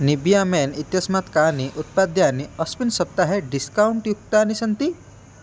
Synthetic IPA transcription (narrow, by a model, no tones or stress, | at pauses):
nibjaːmeːnit̪jɐsmat̪kaːniʔut̪̚paːd̪jaːniɐspinsɐp̚t̪aɦeɖiskawɳʈjuk̚t̪aːnisɐnt̪i